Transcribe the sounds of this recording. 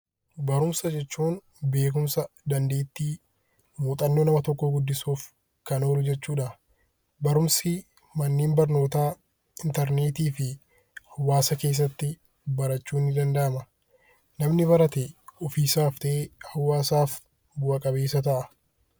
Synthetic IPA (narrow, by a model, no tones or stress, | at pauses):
bɐɾʊmsɐd͡ʒɛt͡ʃːuːn | be̞ːk̬ʊmsɐd̪ɐnd̪e̞ːt̪ːiː | muːt̪ʼɐnːo̞ːnɐmɐt̪ɔkːoɡʊd̪ːɪsuːf | kɐno̞ːlʊd͡ʒɛt͡ʃːuːᶑɐ | bɐɾʊmsɪ | mɐnːiːmbɐɾno̞ːt̪aː | ɪnt̪ɐɾneːt̪iːfɪ | hɐwːaːsɐke̞ːs̬ːɐt̪ːɪ | bɐɾɐt͡ʃːuːnːɪd̪ɐnd̪ɐʔɐmɐ | nɐmnɪβɐɾɐt̪eɔfiːsaːft̪ɐʔeːhɐwːaːsaːf | bʊʔɐkʼɐbeːsɐt̪ɐʔɐ